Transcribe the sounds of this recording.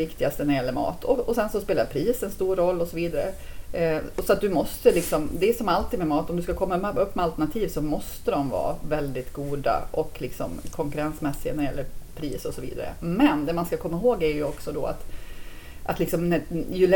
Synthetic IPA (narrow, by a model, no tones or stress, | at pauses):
ɪkt̪ɪɡast̪ənæɾɪjɛlːəɾmɑ̰ːt̪ʰɔɔsɛnsɔspeːlaɾpʰɾiːsɛnst̪uːɾːɔlːɔsɔviːd̪aɾə̰ | sɔat̪̚d̪ɵmɔst̪əlɪksɔmd̪ɛːsɔmalt̪ʰiːd̪mɛmɑːt̪ɔmd̪ɵskakʰɔmːaɵpːmɛalt̪æɳat̪ʰiːvsɔmɔst̪əd̪ɔmvɑ̰ːvɛld̪ɪt̪ɡuːd̪a̰ʔɔkːlɪksɔ̰mkʰɔŋkɵɾansmɛsːɪa̰næɾɪjɛ̰lːəɾpʰɾiːsɔsɔvḭːd̪a̰ɾə̰mɛnd̪ɛmanskakʰɔmːaɦoːɡæɾjɵɔksɔd̪ɔ̰a̰t̪ | ʔat̪lɪksɔmnɛjɵlɛ